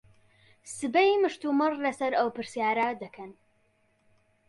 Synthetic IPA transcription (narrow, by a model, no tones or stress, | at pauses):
sɨbɐjmɨʃt̪umɨrˤlɐsɐɾɐwpɨɾsjaːɾad̪ɐkʰɐn